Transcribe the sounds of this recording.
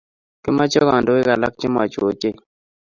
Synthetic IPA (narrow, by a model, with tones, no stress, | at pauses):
kɪ˦ma˦t͡ʃɔ˦ɣɔ˨ndɔ˨˦ɪ˦ka˨la˦k̚t͡ʃɪ˦mwa̰˨t͡ʃo˨t͡ʃe˦